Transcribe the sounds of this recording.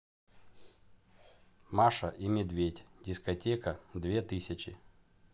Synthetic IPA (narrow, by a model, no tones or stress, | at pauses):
maʂɐʔimʲɪd̪vʲetʲdʲɪskɐtʲekɐd̪vʲet̪ɨsʲɐt͡ɕɪ